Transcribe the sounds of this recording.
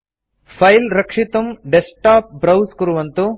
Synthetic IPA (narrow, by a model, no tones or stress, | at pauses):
pʰɐjlɾɐkʂit̪ɐmɖesʈaːp̚bɾɐwskuɾuʋɐnt̪u